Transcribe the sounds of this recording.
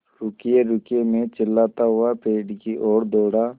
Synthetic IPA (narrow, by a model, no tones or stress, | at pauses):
ɾʊkijeɾʊkemẽt͡ʃɪlːaːt̪aɦʊapeːɖkiʔoːɽd̪oːɽaː